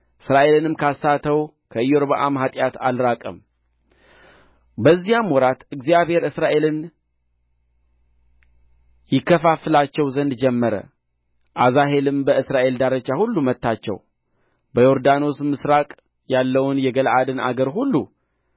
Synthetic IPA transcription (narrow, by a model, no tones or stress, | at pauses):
ʔɨsɾaʔe̞lɨnɨmkʰasːat̪ʰəw | kʰəɨjːoɾβaʔamɦat̪ʼjat̪alɾakʼə̰m | bəzːijamwɔɾat̪ɨɡzijaβhe̞ɾɨsɾaʔe̞lɨn | jɪkːəfafɨlat͡ʃːɛwzənd̪d͡ʒɛmːəɾə̰ | ʔazaɦe̞lɨmbəɨsɾaʔe̞ld̪aɾət͡ʃːahulːumət̪ːat͡ʃːɛ̰w | bəjoɾd̪ano̞smɨsɾakʼ | jalːəwʊnjɛɡəlʔad̪ɨnʔa̰ɡəɾɦulːu